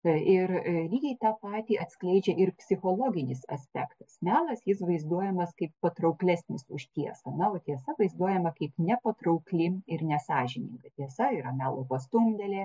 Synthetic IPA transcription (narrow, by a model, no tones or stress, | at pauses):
ɪrlʲiːɡʲɛɪt̪ɑːpɑːt̪ʲiːʔɐt̪ʲsʲklʲɛɪd͡ʒʲɛʔɪrpʲsʲɪxoːlˠoːɡʲɪnʲɪsɐ̰sʲpʲæːkt̪ɐsmʲæːlˠɐsjɪsʋɐɪzd̪uɔjɛmɐskɐɪppɐt̪ɾɐʊklʲæːsʲnʲɪsʊ̰ʃʲt̪ʲiɛsɐnɐoːt̪ʲiɛsɐʋɐɪzd̪uɔjɛmɐkɐɪpnʲɛpɐt̪ɾɐʊklʲɪmɪrnʲɛsɑːʒʲɪnʲɪ̰ŋɡɐt̪ʲiɛsɐɪɾɐmʲæːlˠoːpɐst̪ʊmʲd̪ʲɛlʲeː